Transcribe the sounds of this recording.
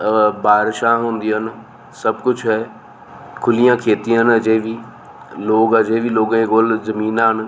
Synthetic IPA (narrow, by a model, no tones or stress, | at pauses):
baːɾʃãɦũːnd̪iɦənɪ̆ | sɐb̚kʊt͡ʃʰɦɛː | kʰʊlijãkʰeːt̪iɦənɐd͡ʒẽʋi | loːɡəd͡ʒẽbiloːɡ̃eɡoːlzɐmiːnaːɦɪn̆